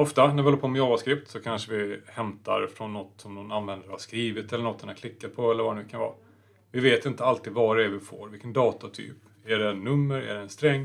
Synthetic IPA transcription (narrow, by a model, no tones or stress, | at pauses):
ɔft̪anæɾvɪhɔəpʰoːmɪɑːvaskɾɪpt̪sɔkʰanʂəvɪhɛmt̪aɾfɾɔnːɔt̪ːsɔmnɔnanvɛnd̪əɾhaʂkɾiːvɪt̪ɛlːəɳɔt̪ːɛnakʰlɪkːat̪̚pʰɔɛlːəɾvaɛnʉkʰanvɑ̰ː | vɪveːt̪ɪnt̪əalt̪iːd̪vaɾɛɛvɪfo̰ːɾvɪlkːənd̪ɑːt̪at̪ʰy̰ːp | æɖɛnːɵmːəɾæ̰ɖɛːnst̪ɾɛŋː